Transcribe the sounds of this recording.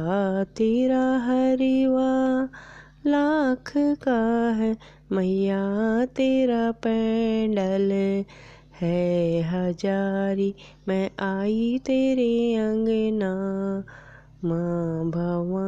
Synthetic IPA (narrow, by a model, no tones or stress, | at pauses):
t̪eːɾaɦɐɾiʋa | lakʰkaɦɛ | mɐjat̪eːɾapɛ̃ɖɐl | hɛɦɐd͡ʒaːɾi | mɛ̃ʔaːit̪eːɾeɐ̃ŋɡna | mãbʱɐʋ